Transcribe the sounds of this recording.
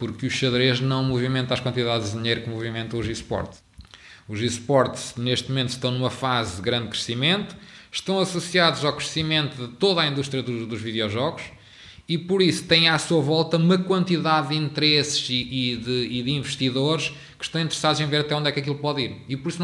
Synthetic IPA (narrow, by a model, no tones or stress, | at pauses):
puɾkuʃʃɐðɾeʒnɐ̃w̃muvimẽnt̪aʃkwɐ̃nt̪iðaðʒððiɲejɾukɨmuvimẽnt̪ɐ̃uʒiʃpɔ̰ɾt̪ʃ | uʒiʃpɔɾt̪neʃt̪mumẽnt̪uʃt̪ɐ̃w̃numɐfazðɨɣɾɐ̃nd̪̚kɾɨsimẽnt̪u̥ʃt̪ɐ̃w̃ɐsusiaðuzawkɾɨsimẽnt̪uðɨt̪oðaĩnd̪uʃt̪ɾijɐðud̪uʒviðjɔʒɔɣuʃ | ipuɾisu̥t̪ɐ̃j̃asuɐvɔlˠt̪ɐumɐkwɐ̃nt̪iðaðːĩnt̪ɨɾesɨ̥ziiðɨːðĩvɨʃt̪iðoɾʃ | kɨ̥ʃt̪ɐ̃w̃ĩnt̪ɨɾɨsaðuzẽveɾɐt̪ɛõnd̪ɛkɐkilˠupɔðiɾipɔɾisñ